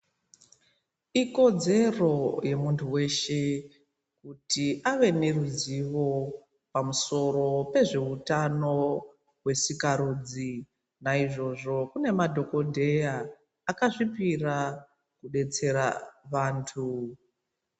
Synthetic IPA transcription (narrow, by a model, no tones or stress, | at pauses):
iko̞d͡ze̞ro̞je̞muntʰuwe̞ʃe̞ | kutiʔaʋe̞ne̞ruziʋo̞ | pamuso̞ro̞pe̞ʐe̞utano̞ | we̞sikaɾuːd͡zi | naiʐo̞ʐo̞kune̞madʱo̞ko̞dʱe̞jaː | kaʐipira | kuɗe̞t͡se̞ɾa̰ʋaːntʰu